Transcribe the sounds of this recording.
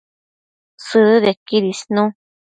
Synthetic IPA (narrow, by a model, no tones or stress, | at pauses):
sɨðekiðisnũ